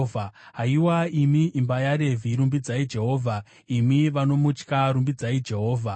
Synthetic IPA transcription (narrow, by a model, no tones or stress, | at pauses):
aɦaiwaimiːmbajaɾe̞vʱiiɾumbid͡zaid͡ʒe̞ɦo̞ːvʱa | imiʋano̞mut͡ʃkaɾumbid͡zaid͡ʒe̞ɦoːvʱa